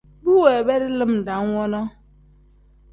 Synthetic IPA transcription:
bu˦we˨be˦dɪ˦lɨ˦m̩˨da˨ŋ˦ŋʷɔ˦nɔ˦

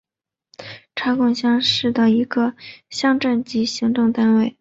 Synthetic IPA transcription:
ʈ͡ʂʰɑ˧˥kʊ˥˩ŋɕjɑ˥ŋʂɻ̩˥˩t̪ə˩i˧˥ɡə˧ɕjɑ˥ŋʈ͡ʂa˥˩nt͡ɕi˥ɕi˧˥ŋʈ͡ʂʊ˥˩ŋt̪a˥nwe˥˩ɪ

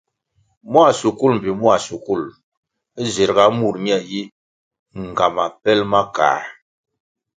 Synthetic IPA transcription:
mwa˦˨su˨ku˦lm̩˨bi˨mwa˨su˨ku˦˨l | ze˨ɾɡa˨˦mu˦˨ɾɲ˦ɛ˦˨ji˦ | ŋ˨ɡa˨ma˨pɛ˦lma˦ka̰ː˨

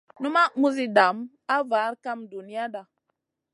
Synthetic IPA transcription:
nu˦ma˦mu˦zi˦da˨˦m | a˦va˨˦ɾka˦mdu˨ni˦a˦ɗa˨

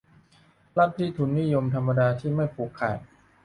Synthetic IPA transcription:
la˥˩t̪̚ʰːiː˥˩t̪ʰu˨˩˦nːi˦˥˨jo˧mt̪ʰa˧mːa˧daː˧t̪ʰiː˥˩ma˥˩jpʰuː˨˩kʰːa̰ː˨˩j̚

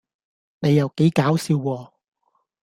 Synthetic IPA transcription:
ne˨˧jːɐ˨wke˨˥jkaː˨˥wsiː˨˧wkɔː˧

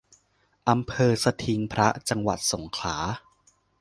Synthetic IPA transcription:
ʔa˧mpʰɤː˧sa˧t̪ʰi˧ŋpʰɾa˦˥t͡ɕa˧ŋwa̰˨˩t̪̚so˩˦ŋkʰlaː˩˦

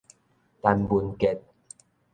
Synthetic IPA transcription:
t̪a˧nbu˨˧nke˨t̚

